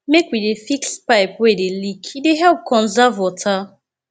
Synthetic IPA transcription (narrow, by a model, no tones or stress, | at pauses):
mekwidefikspaɪpwedelikideɦɛlˠp̚kʰɔ̃nzavɔtʰa